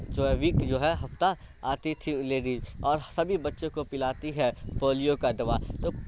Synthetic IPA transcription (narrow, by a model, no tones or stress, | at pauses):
d͡ʒoːɦɛʋiːkd͡ʒoːɦɛɦɐft̪a | aːt̪it̪ʰileːɖiːd͡ʒɔːɾsɐbʱibɐtːʃõkopɪlaːt̪iɦɛpoːlijokad̪ɐʋaːt̪oː